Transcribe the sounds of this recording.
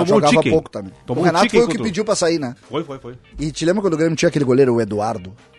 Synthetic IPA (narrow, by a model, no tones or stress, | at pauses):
õɡavɐpokʊ̥t̪ɐ̃mḛ̃j̪̃oʊhenat̪ʊffojʊkɪpid͡ʒiwpɾɐsainɛfojfojfojɪt͡ʃɪlẽbɾkɐ̃nd̪ʊɡɾẽmjʊt͡ʃĩɐkelɪɡoleɾʊʊed̪uaɾd̪ʊ